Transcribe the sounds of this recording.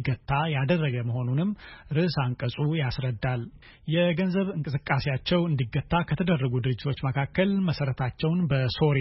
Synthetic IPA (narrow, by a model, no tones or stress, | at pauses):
ɡət̪ʰʼːajad̪ərːəɡəməho̞nunɨmːɾɨʔsaŋkʼəsʼujasɾəd̪ːal | jɛɡənzəβɨŋkʼɨsɨkʼːasejat͡ʃːɛwɨnd̪iɡət̪ːakʰət̪ʰəd̪ərːəɡud̪ɨɾɨd͡ʒːɪt̪ʰo̞t͡ʃːməkʰakːəlməsəɾət̪ʰat͡ʃːɛwnbəso̞ɾ